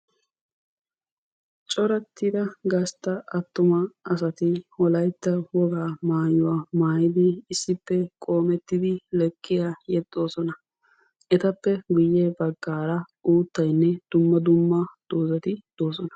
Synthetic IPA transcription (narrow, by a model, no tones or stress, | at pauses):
t͡ʃʼɔɾɐt̪ːɪd̪ɐɡɐst̪ːɐɐt̪ːʊmɐɐsɐt̪ɪwɔlɐjt̪ːɐwɔɡaːmaːjʊwaːmaːjɪd̪ɪːsːɪpːɛkʼo̞ːmɛt̪ːɪd̪ɪlɛkʼːɪjaːjɛd̪ʼːo̞ːsɔnɐ | ɛt̪ɐpːɛɡʊjːɛbɐɡːaːɾɐ | uːt̪ːɐjnːɛd̪̥ʊmːɐd̪ʊmːɐd̪̥oːzɐt̪ɪd̪̥oːsɔnɐ̥